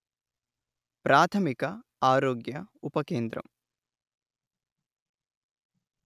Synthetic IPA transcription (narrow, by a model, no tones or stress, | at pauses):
pɾʔaːt̪ʰɐmikɐaːɾoːɡjɐupɐkeːnd̪ɾɐ̰m